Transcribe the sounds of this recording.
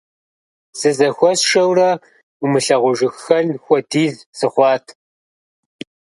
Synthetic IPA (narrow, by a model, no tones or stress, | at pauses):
sɨzɐxʷɔsʂɐwrɐ | umɨɬɐʁʷʊʒɨxːɐnxʷɔtʰiːzsɨχʷɑːtʰ